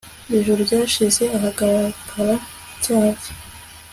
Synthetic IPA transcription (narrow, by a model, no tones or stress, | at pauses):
iʒuɾubɟaːʃize̞aɦaɡaɾkʰaɾa | caːzi̥